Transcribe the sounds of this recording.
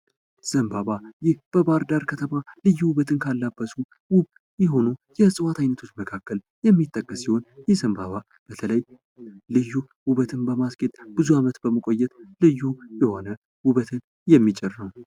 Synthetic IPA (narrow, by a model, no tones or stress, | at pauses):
z̥əmbaβajɪhb̥əbaɾd̪aɾkʰət̪ʰəmalɨjːuwuβət̪ʰɨnkʰalːabːəsu | wʊβ | jɛɦo̞nujɛsʼɨwat̪ʰajnət̪ʰo̞t͡ʃːməkʰakːəl | jɛmːit̪ʼːəkʼːəsːiho̞njɛzəmbaβa | b̥ət̪ʰələj | lɨjːu | wuβət̪ʰɨnbəmaskʼet̪ʼb̥ɨzuamət̪bəməkʼo̞jːɛt̪lɨjːujɛho̞nə | wʊβət̪ʰɨn | jɛmːit͡ʃʼɛɾnəw